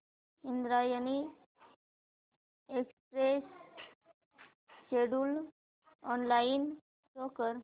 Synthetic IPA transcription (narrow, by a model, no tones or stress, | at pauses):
ĩnd̪ɾajəni | ekspɾes | ʃeɖul | ɔnlain | sokəɾ